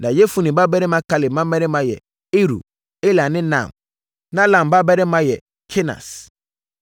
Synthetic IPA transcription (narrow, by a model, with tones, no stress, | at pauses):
nã˨jɛ˦fu˦nĩ˨ba˦bɛ˦ɾɪ˦mã˦kʰa˦lɪ˨mã˦mɛ̃˦ɾɪ˦mã˨jɛ̰˨ | e˦ɾṵ˨ | e˦la˨nɪ̃˦nã̰˨m | nã˦lã˨m˨ba˦bɛ˦ɾɪ˦mã˦jɛ˨ | kʰe˦nã̰˨s